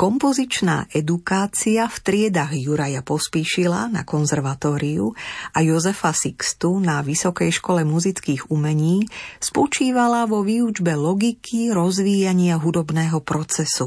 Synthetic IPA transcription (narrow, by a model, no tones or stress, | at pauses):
kɔmpɔzit͡ʃna̰ːʔɛd̪ukaːt͡siaft̪ɾɪɛd̪aɣjuɾajapɔspiːʃilana̰kɔnzɛɾʋat̪ɔːɾiuʔajɔzɛfasikst̪unaʋisɔkɛjʃkɔlɛmuzit͡skiːɣumɛɲiːspɔt͡ʃiːʋalaʋɔʋiːud͡ʒbɛlɔɡikʰiɾɔzʋiːjaɲɪaɦud̪ɔbnɛːɦɔpɾɔt͡sɛsu